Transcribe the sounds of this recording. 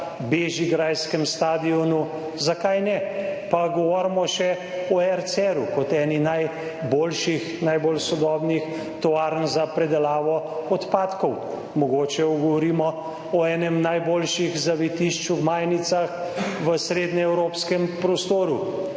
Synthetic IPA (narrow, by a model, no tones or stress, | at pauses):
beʒiɡɾajskɛmst̪aːd̪iɔnu | zakajnɛpaɡɔʋɔɾmɔʃɛ | ɔɛɾt̪sɛɾukɔt̪ɛːninaj | boːlʃixnajbolsɔd̪ɔːbnix | t̪ɔaːɾnzapɾɛd̪ɛlaːʋɔ | ɔt̪paːt̪kɔw | mɔɡoːt͡ʃɛɔɡɔʋɔɾiːmɔ | ɔɛːnɛmnajboːlʃiɣzaʋɛt̪iʃt͡ʃumaːjnit̪saxʋəsɾeːd̪nɛɛwɾoːpskɛmpɾɔst̪oːɾu